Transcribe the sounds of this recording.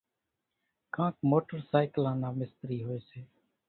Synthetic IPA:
kãːkmoːʈəɾsaːɪkəlãːnãːmɪst̪ɾiːɦoːeːseː

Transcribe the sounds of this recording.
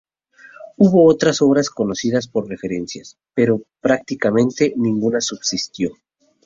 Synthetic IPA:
uβo̞ot̪ɾaso̞βɾasko̞no̞siðaspo̞ɾre̞fe̞ɾe̞nsjas | pe̞ɾo̞pɾakt̪ikamẽ̞nt̪e̞nĩŋɡunasubsist̪jo̞

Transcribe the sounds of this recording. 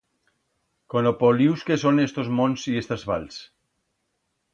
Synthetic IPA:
konopoliwskesonest̪ozmonsiest̪azβa̰ls

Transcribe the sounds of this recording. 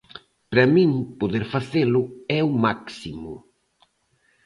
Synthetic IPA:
pɾamĩŋpoðeɾfaθelʊɛumaksimʊ̰

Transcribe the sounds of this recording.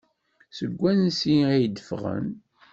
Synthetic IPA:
səɡʷːænsiæjd̪əfʁə̰n

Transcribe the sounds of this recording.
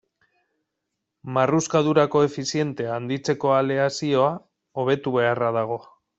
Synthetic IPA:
maruskaðuɾako̞e̞fisie̞nt̪e̞and̪it͡se̞ko̞ale̞asio̞a | oβ̞e̞t̪uβe̞arað̞aɣ̞o̞

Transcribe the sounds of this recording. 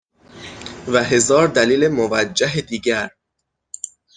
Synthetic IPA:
væɦe̞zɒːɾd̪æliːlemovæd͡ʒːæɦed̪iːɟæɾ

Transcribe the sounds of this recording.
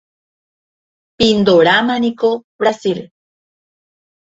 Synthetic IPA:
pind̪oɾamanikobɾasil

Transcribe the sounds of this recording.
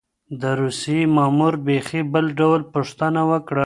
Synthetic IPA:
d̪əɾusiemɑmuɾbexibəlɖawlpəʂt̪ənawəkɽa

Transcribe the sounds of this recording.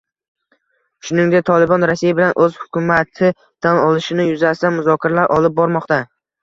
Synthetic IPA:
ʃʊnɪŋd̪ek̚t̪ʰɒlˠɪbɒnɾasːijabɪlanʔɵz̥hʊ̥kʰʲʊmat̪ʰɪ | d̪̥anɒlˠɪʃɪnɪjʊzasɪd̪anmʊzɒkʲʰaɾalaɾʔɒlˠɪp̚bɒɾmɒqt̪a

